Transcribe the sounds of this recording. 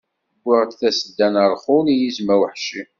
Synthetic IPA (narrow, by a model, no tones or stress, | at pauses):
ɡʷːəʁt̪θæsəd̪ːænəɾˤχʊlijizmæwəħʃi